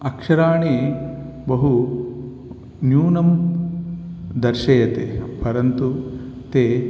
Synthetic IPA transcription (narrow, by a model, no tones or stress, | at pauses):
ɐkʂɐɾaːɳe | bɐɦu | njuːnɐm | d̪ɐɾʃɐjɐt̪eːpɐɾɐnt̪ut̪eː